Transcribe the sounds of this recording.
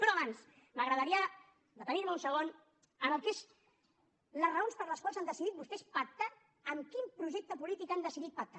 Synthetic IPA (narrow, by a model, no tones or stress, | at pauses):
pɾɔəβans | məɣɾəðəɾiə | d̪ət̪əniɾməunsəɣ̞on | ənəlˠkez | ləzrəonspəɾləskwalˠzand̪əsiðit̪bust̪ɛspək̚t̪a | əmkimpɾuʒek̚t̪əpulit̪ikand̪əsiðit̪̚pək̚t̪a